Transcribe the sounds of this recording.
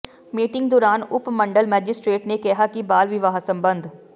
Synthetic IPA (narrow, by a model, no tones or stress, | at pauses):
miːʈɪ̃ŋɡ̚d̪ɔːɾaːnʊpmɐ̃ɳɖəlmɛːd͡ʒɪsʈɾeːʈnekɛɦakibaːlʋɪʋaːɦsɐ̃mbə̃nd̪ʱ